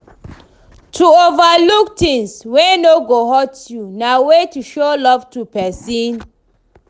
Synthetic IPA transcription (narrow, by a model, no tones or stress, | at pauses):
tʰuovaluk̚tĩŋswenoɡoɦɔtjunawetuʃolɔv̥tupɛsĩn